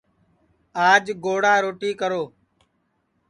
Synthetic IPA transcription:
aːd͡ʒɡoːɽaːɾoːʈiːkəɾoː

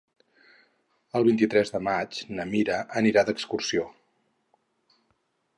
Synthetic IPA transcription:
əlˠβint̪it̪ɾɛzðəmat͡ʃnəmiɾəʔəniɾad̪əkskursio

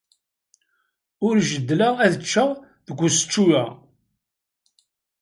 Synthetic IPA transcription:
ʊɾʒəd̪ːlaæðət͡ʃːa | ðəɡʷːusə̥t͡ʃːujæ

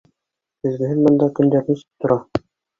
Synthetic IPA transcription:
t̪ɘ̆zɡɘ̆ɦɘnmɑ̆nd̪ɑkɵ̆nd̪æɾnisɘ̥p̚t̪ŏɾʔɑ

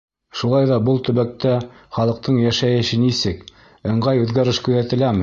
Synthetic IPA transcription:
ʃulˠɑjðɑbɤlˠt̪ɵ̆βæk̚t̪æχɑlˠɤ̆q̚t̪ɤɴjæʃæjɘ̆ʃɘnisɘk | ɤ̆ɴʁɑjʉðɡæɾɘʃkɵ̆ðæt̪ɘ̆læmɘ

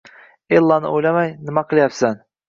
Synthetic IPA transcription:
elˠːɑnɪ̰ojlamajnɪmaqʰɨlˠjapsan

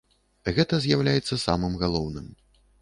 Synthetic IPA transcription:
ɣɛt̪ɐzʲjawlʲajɛt̪sːɐsa̰mɨmɣalˠɔwnɨm

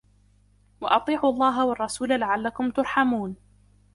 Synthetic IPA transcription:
wɑʔɑt̪ˤiːʕuʔɑlˤːɑːɦawɑɑrˤːɑsuːlalaʕalːakʊmt̪ʊɾˤħamuːn

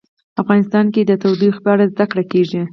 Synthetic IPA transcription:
afɣɑnɪst̪ɑnked̪ət̪awd̪ixpɑɽazd̪akɽakeʒi

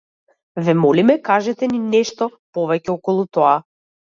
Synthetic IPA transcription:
vɛmɔlimɛkaʒɛt̪ɛninɛʃt̪ɔpɔvɛcɛɔkɔlˠut̪ɔa

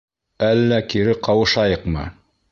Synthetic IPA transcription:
ælːækiɾɘqɑwɤ̆ʃɑjɤqmɤ̰

